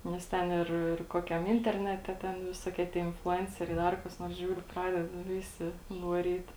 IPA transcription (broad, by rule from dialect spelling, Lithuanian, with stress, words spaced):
nʲɛs ˈtʲɛn ɪr ɪr ˈkoːkʲɛm ˈɪnʲtʲɛrʲnʲɛtʲɛ ˈtʲɛn ʋʲɪˈsoːkʲiɛ tʲiɛ ɪnflˠʊˈɛnʲt͡sʲɛrʲɛɪ ˈdɐr kɐs ˈnoːrs ˈʒʲuːrʲʊ ˈprɑːdʲɛdɐ ˈʋʲɪsʲɪ ʋɐˈrʲiːt